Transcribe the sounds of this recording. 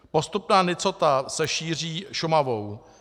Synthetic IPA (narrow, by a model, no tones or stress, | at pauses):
po̞st̪upnaːnɪt͡sot̪asɛʃiːr̝iːʃʊmavo̞w